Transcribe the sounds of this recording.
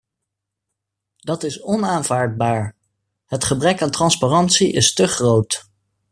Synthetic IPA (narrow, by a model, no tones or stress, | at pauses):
d̥ɑtɪsɔnaːnv̥aːɹd̚baːɹ | ɦətχəbrɛkaːntrɑnsparɑntsiʔɪstəχrowt